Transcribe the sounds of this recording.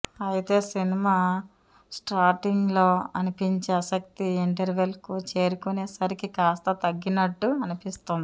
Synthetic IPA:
ɐjit̪e̞ːsinimaː | sʈaːɾʈiŋɡlo̞ːɐ̰nipiɲt͡ʃeɐsɐk̚t̪iːɳʈɐɾʋelkut͡ʃe̞ːɾukuneːsɐɾikikaːst̪ɐt̪ɐɡːinɐʈːuɐnipist̪und̪i

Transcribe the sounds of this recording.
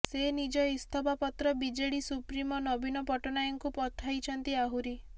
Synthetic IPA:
senid͡ʒɔist̪ʰɔbapɔt̪ɾɔbid͡ʒeɽisupɾimɔnɔbinɔpɔʈɔnajɔŋkupɔt̪ʰːajt͡ʃʰɔnt̪iaɦuɾi

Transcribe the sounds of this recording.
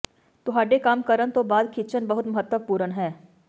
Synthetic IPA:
t̪ʊɦaːɖekaːmkəɾənt̪obaːd̪kʰit͡ʃənbɐɦʊt̪mɐɦət̪ːəʋpuːɾənɦɛː

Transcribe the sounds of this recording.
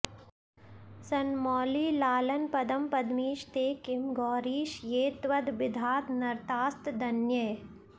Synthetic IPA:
sɐnmɔːliːlaːlɐnpɐd̪ɐmpɐd̪miːʃt̪eːkɪmɡɔːɾiːʃjeːt̪ʋɐd̪bɪd̪ʱaːt̪nɐɾt̪aːst̪d̪ɐnjɐj

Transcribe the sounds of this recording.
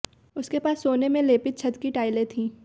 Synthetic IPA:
ʊskepaːsːoːnemẽleːpɪt̪̚t͡ʃʰɐd̪kiʈaːɪlet̪ʰĩː

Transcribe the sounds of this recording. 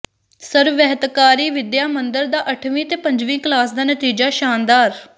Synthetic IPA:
səɾʋɛɦət̪kaːɾiːʋɪd̪jaːmənd̪əɾd̪aːʔəʈʰʋĩːt̪eːpəɲd͡ʒʋĩːklaːsd̪aːnət̪iːd͡ʒaːʃaːnd̪aːɾ

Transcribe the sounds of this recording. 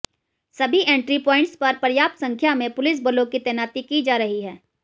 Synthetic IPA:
sɐbʱiʔẽːɳʈɾipɔːɪ̃ɳʈspɐɾpɐɾjaːp̚t̪sɐ̃ŋkʰjamẽpʊlɪs̬bəlõkit̪ɛːnaːt̪ikid͡ʒaːɾɐɦiɦɛː

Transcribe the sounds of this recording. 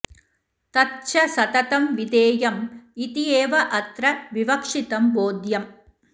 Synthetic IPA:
t̪ɐtt͡ʃɐsɐt̪ɐt̪ɐmʋid̪eːjɐmit̪ijeːʋɐʔɐt̪ɾɐʋiʋɐkʂɪt̪ɐmboːd̪jɐm

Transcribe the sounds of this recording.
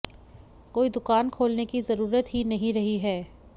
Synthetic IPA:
koːid̪ʊkaːnkʰoːlnekizɐɾuːɾət̪ɦinɐɦĩɾɐɦiɦɛː

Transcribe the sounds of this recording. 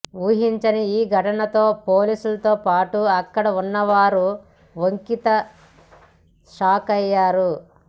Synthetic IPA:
ʋuːɦiɲt͡ʃɐniiːɡʱɐʈɐnɐt̪o̞ːpoːliːsulɐt̪o̞ːpaːʈuɐkːɐɽɐunːɐʋaːɾu | ʋoŋkit̪ɐ | ʃaːkɐjːaːɾu

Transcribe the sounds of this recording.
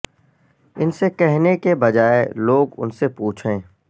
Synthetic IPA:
ɪnsekɛɦnekebɐd͡ʒaːeloːɡʊ̰nsepuːt͡ʃʰẽː

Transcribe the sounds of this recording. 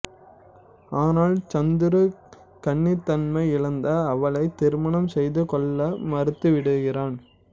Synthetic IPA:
aːnaːlt͡ʃɐnd̪ɯɾɯ | kɐɳːit̪ːɐnmɐɪɪɭɐnd̪ɐːʋɐɭɐɪt̪ːɪɾmɐɳɐmsɛjðɯkɔɭːɐmɐɾɯt̪ːɯʋɪɽɯɣɪraːn

